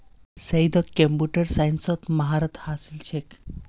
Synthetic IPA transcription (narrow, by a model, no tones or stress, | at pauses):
sɐjd̪ɔkːempuʈəɾsajnsɔt̪mɐɦaɾat̪hasilt͡ɕʰek